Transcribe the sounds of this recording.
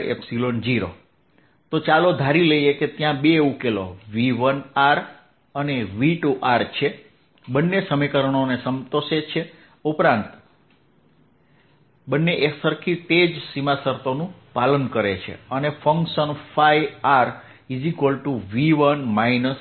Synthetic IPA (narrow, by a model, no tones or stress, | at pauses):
ḛpsilond͡ʒiɾo̰ | t̪ot͡ʃalod̪ʱaɾiləieket̪jãbeukelo̰ʋiʋənaɾ | əneʋiʈuʔaɾt͡ʃʰe | bənːesəmikəɾəɳ̃onesəmt̪oʃet͡ʃʰe | upɾãnt̪ | bənːeʔesəɾkʰit̪ed͡ʒsimasəɾt̪onũ | palənkəɾet͡ʃʰḛənefʰəŋkʃənfʰajaɾ | izikəlʈuʋiʋənmainəs